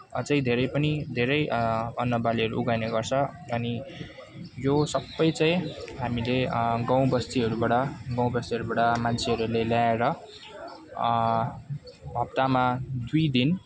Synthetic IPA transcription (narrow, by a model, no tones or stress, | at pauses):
ʌt͡sʌĩd̪ʱeɾʌjpʌnid̪ʱeɾʌjʌnːʌbaliʌɾuʔuɡajneɡʌrt͡sʰʌʌni | josʌbːʌjt͡sʌj̃ɦamileɡʌw̃bʌst̪iʌɾubaɽʌɡʌw̃bʌst̪iɦʌɾubaɽʌmant͡sʰeɦʌɾuleljaeɾʌ | bʱʌb̚t̪amad̪ujd̪in